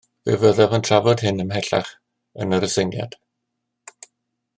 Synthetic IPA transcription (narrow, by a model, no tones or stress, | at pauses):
vɪ̰vəðɛvəntʰravɔd̥hɪnəmɦɛɬa̰χ | ənəɾəsɪŋja̰d̥